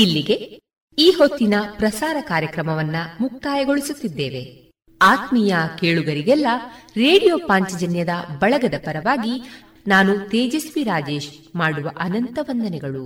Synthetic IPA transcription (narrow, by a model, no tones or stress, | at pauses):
ilːiɡe̞ | iːho̞t̪ːinɐpɾɐsaːɾɐkaːɾjɐkɾɐmɐʋɐnːɐmuk̚t̪aːjɐɡo̞ɭisut̪ːid̪ːeːʋe̞ | aːt̪mijɐkeːɭuɡɐɾiɡɛlːɐɾe̞ːɽijo̞ːpaːɲt͡ʃɐd͡ʒɐnjɐd̪ɐbɐɭɐɡɐd̪ɐpɐɾɐʋaːɡi | naːnut̪eːd͡ʒɐsʋiɾaːd͡ʒe̞ːʃmaːɽuʋɐʔɐnɐnt̪ɐʋɐnd̪ɐnɛɡɐɭu